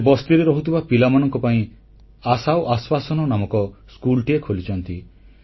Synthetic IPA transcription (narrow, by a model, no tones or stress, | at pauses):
bɔst̪iɾeɾɔɦut̪ʰibapilamanɔŋkɔpaĩ | asawʔaswasɔnɔnamɔkɔskulʈiekʰolit͡ʃʰɔnt̪i